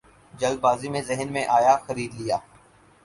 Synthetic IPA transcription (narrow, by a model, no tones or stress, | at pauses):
d͡ʒɐld̪̚baːzimẽzɪɦnmẽʔaːjaxɐɾiːd̪lijaː